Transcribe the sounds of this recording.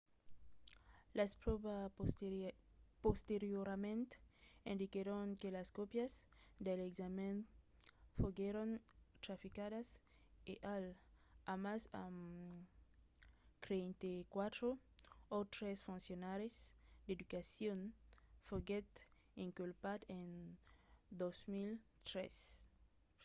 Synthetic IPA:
laspɾoβa | post̪eɾjoɾamẽnt̪ẽnd̪ikeɾoŋkelaskopjazd̪elekzamẽn | foɡeɾont̪ɾafikaðas | eʔalamasam | k̪ɾent̪ekwat̪ɾo | ot̪ɾesfũnsjonaɾesd̪ed̪ukasjonfoɡet̪ | ĩŋkulpad̪en | d̪osmilt̪ɾḛs

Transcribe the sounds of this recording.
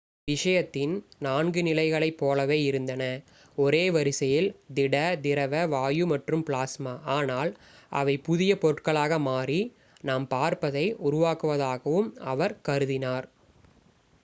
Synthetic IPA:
ʋɪʂɐjɐt̪ːɪnnaːnɡɯnɪlɐɪɣɐɭɐɪpːoːlɐʋeːɪɾɯnd̪ɐnɐ | ɔɾeːʋɐɾɪsɐjɪld̪ɪɽɐd̪ɪɾɐʋɐʋaːjɯmɐʈrɯmpɭaːsmaːʔaːnaːlʔɐ̰ʋɐɪpʊðɪjɐpɔɾɯʈkɐɭaːɣɐmaːri | naːmpaːɾpɐðɐɪʊɾʊʋaːkɯʋɐðaːɣɐʋɯmɐʋɐɾkɐɾɯðɪnaːɾ

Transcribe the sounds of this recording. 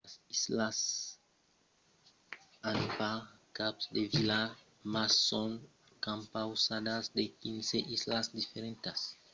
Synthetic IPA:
sislas | anpakapsd̪evila | masːõŋ | kãmpawsad̪azd̪ekĩnseʔizlasd̪ifeɾẽnt̪es

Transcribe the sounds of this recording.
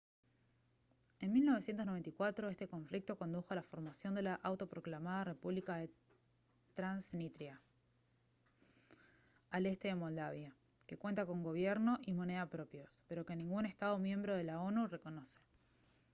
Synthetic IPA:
e̞nmilnoe̞sjent̪osne̞nt̪ikwat̪ɾoe̞st̪e̞ko̞ɱflik̚t̪o̞ko̞nd̪uxo̞alafo̞ɾmasjo̞nd̪e̞laʔawt̪o̞pɾo̞klamaðare̞puβlikaðe̞ | t̪ɾansnit̪ɾja | ale̞st̪e̞ðe̞mo̞ld̪aβja | ke̞kwe̞nt̪ako̞ŋɡo̞βjeɾno̞ʔimo̞ne̞ðapɾo̞pjo̞spe̞ɾo̞ke̞nĩŋɡune̞st̪að̞o̞mje̞mbɾo̞ð̞e̞lao̞nure̞ko̞no̞se̥

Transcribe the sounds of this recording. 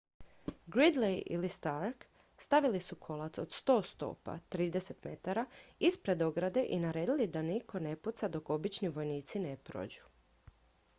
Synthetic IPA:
ɡɾid̪lejʔḭlist̪aɾk | st̪aʋilisukʰo̞lat̪so̞̰d̪̥st̪o̞ːst̪o̞̰pa̰t̪ɾiːd̪e̞se̞t̪me̞t̪aɾaispɾe̞d̪o̞ɡɾad̪e̞ʔinaɾe̞ːd̪ilid̪anikʰo̞ne̞put̪sad̪o̞ko̞bit͡ʃniʋo̞jniːt̪sine̞pɾo̞̰ːd͡ʑu̥

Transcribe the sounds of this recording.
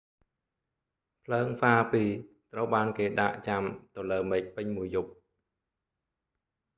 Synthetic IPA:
pʰləːŋfaːpiː | t̪rəwɓaːnkeːɗa̰ʔt͡ɕamt̪oləːmɛːc̚pɨɲmuəjːup̚

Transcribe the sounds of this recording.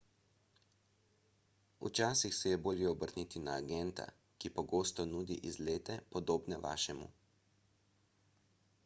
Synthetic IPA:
ṵt͡ʃaːsixsɛjɛboːljɛɔbəɾniːt̪inaːɡɛnt̪a̰ | kipɔɡoːst̪ɔnuːd̪iʔizleːt̪ɛpɔd̪oːbnɛʋa̰ːʃɛmṵ

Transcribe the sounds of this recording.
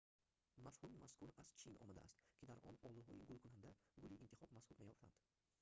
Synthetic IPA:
mafhumimaskʰʊɾast͡ʃʰinʔɒ̰mad̪a̰ːst̪kʲʰid̪aɾʔɒ̰nɒlˠuɦɒjɪ̰ɡʊlˠkʰʊnand̪aɡʊliint̪ʰɪ̥χɒb̚mashʊɾmajɒft̪ʰa̰nd̪̥

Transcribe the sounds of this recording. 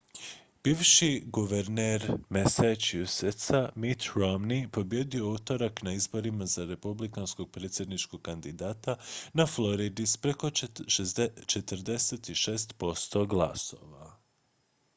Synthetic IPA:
b̥iːʋʃiɡuʋeɾneɾmesat͡ʃjuset̪samit̪ɾomnipo̞bje̞d̪io̞ut̪o̞ɾaknaizbo̞ɾimazaɾe̞publikansko̞ɡ̚pɾeːt̪sʲjed̪nit͡ʃkoɡ̚kand̪id̪aːt̪anaflo̞ɾid̪ispɾeko̞t͡ʃet͡ʃet̪əɾd̪e̞set̪iʃe̞ːst̪po̞st̪o̞ɡla̰so̞̰ʋa

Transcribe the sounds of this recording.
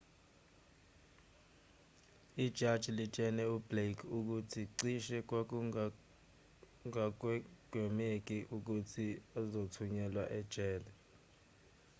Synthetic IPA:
id̥ʒ̥ʱad̥ʒ̥ʱilit͡ʃʼɛnɛublekʰuk̬utʰiǀiʃɛk̬w̬ | ŋaɡ̥ʱwɛmek̬ʼiʔuk̬utʰiazotʰuɲɛlwaʔɛd̥ʒ̥ʼɛːlɛ

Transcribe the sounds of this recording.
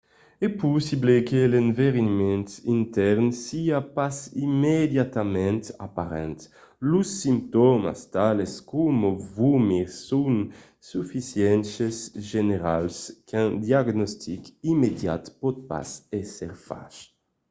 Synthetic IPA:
ɛpusiblekelẽɱveɾinmẽnt̪int̪ɛɾnsiapasimed̪jat̪amɛ̃nt̪a̰paɾɛ̰nt̪ | lusːimt̪ɔma̰st̪aleskumovumiɾsun | sufisjɛnsesʒeneɾa̰lskãd̪jaɡnɔst̪ʰikimed̪ja̰t̪pɔt̪̚pa̰sɛseɾfa̰ʃ

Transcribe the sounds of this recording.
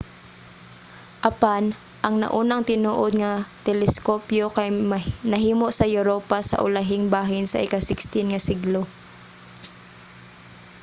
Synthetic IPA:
ʔɐpan | ʔɐŋnɐ̰ʔuːnɐŋt̪ɪnuːʔod̪̚ŋɐt̪ɛlɛskoːpjokɐjmnɐɦiːmoʔsɐjʊɾoːpasɐ̰ʔʊ̰lɐɦɪŋbaːɦɪnsɐ̰ʔɪkasɪkst̪ɪnŋɐsɪɡlo

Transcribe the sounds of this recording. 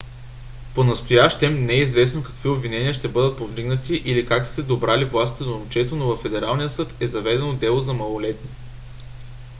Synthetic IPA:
ponɐst̪ojaʃt̪ɛmnɛizvɛsnokɐ̥kviobvinɛnʲiəʃt̪ɛbɤd̪ət̪̚povd̪iɡnət̪iʔilikak̪ɛd̪obɾalivlˠasi̥t̪ɛd̪omt͡ʃɛt̪onovɐfːɛd̪ɛɾalˠnijəsɤt̪ɛzɐvɛd̪ɛnod̪ɛlˠozɐmɐlˠolɛt̪ni

